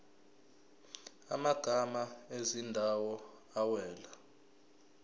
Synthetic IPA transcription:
a̰maɡ̥ʱamaezindʱawɔ | awɛːla

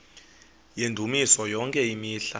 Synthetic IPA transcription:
jendʱumisɔjɔŋkʼɛimiːɬa

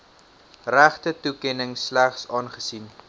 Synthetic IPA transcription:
ræχtətukɛnəŋslæχsɑːnχəsin

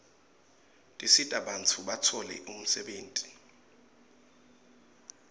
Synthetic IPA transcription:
tʼisitʼaɓantʰuɓatʰɔlɛ̰ʔum̩sɛɓeːntʼi̥

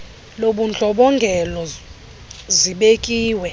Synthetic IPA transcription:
loɓund͡ɮʱʼɔɓɔŋɡʱɛlɔ | ziɓekʼiːwɛ

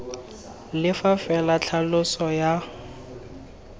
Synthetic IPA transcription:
lɪfafɛlat͡ɬʰalʊsɔja

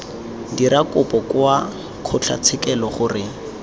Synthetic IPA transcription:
diɾakʊpɔkwa | q͡χʰʊt͡ɬʰa̰t͡sʰɪkɛlɔχʊrɪ

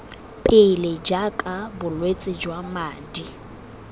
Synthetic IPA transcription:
pʼeled͡ʒakʼabʊlwet͡sʼɪd͡ʒwamaːdi

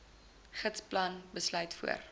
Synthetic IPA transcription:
χətsplɐnbəslœɥtfṵə̰r

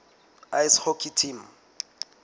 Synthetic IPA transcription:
ajshokʰʼitʰim̩

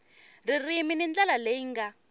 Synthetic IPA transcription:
ririminind͡ɮalaleŋ̩ɡa

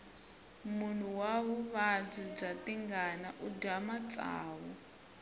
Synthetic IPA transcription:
mun̤uwaɦuβad͡zib͡ʐatiŋɡanaʔudamat͡sʼa̰ːwɔ

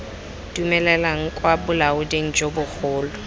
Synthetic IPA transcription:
dumɛlɛlaŋ̩kʼwabʊlaʊdeŋ̩d͡ʒobʊk͡xʰʊːlʊ

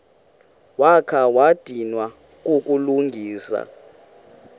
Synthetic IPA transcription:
wakʰawad̥ʱinwa | k̬ʼukʼuluŋɡʱiːsa̰

